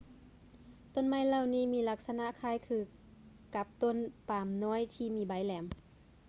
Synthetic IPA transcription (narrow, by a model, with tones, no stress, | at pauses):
t̪o˧˨nma˧˥˨jla˧˨wniː˧˥˩miː˧˨la˧˥k̚sa˧na˧˨ʔkʰaː˧˥˨jkʰɯː˧˩ | ka˧˦p̚t̪o˧˥˨npaː˨˩mnɔː˧˥˨jt̪ʰiː˧˨miː˧˩˨ba˨˦jlɛː˨˦m